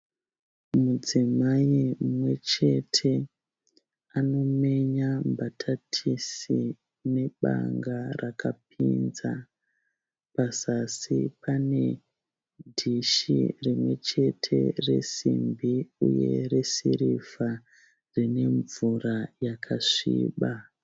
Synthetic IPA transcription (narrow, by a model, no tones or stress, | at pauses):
mud͡zimaimwe̞t͡ʃe̞tʰe̞ | ano̞me̞ɲambatʰatʰisi | ne̞ɓa̰ŋɡarakap̚ʰinza | pasasipane̞ | dʱiʃirimwe̞t͡ʃe̞tʰe̞̰re̞̰simbiuje̞̰re̞siɾifa | rine̞ɱvurajakʰaʂiːɓa